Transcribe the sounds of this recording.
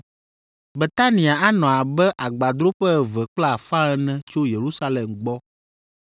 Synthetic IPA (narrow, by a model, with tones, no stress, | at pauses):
be˨t̪a˦nĩ˨a˨a˦nɔ̃˨a˨bɛ˦ʔa˨ɡ͡ba˨d̪ɾo˦ɸɛ˦˨vɛ˨k͡pla˦˨fã˦ɛ˦nɛ̃˦t͡ʃo˦je˨ɾu˦sa˦lɛ˨mɡ͡bɔ˦